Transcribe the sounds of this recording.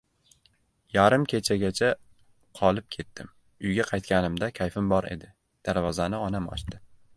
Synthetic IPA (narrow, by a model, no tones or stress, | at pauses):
jaɾɪmkʲʰe̞t͡ʃʰaɡʲat͡ʃʰa | qʰɒlˠɪp̚kʲʰe̞t̪ːɪm | ʊjɡʲaqʰɑjt̪̚kʲanɪmd̪akʲʰajfɪmbɒɾe̞̰d̪ɪ | d̪̥aɾvɒzanɪɒnamɒ̰ʃt̪ɪ